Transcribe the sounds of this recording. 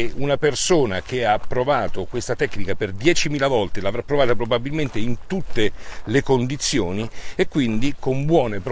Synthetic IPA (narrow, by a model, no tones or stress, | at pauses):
unapersoːnak̟eaːpːɾovaːt̪okwest̪at̪ɛkːnikaperd̪jɛːt͡ʃimiːlavɔlt̪elaːvɾapːɾovaːt̪apɾobabilment̪eint̪ut̪ːelekond̪it̪sːjoːniekːwind̪ikombwɔːnepɾ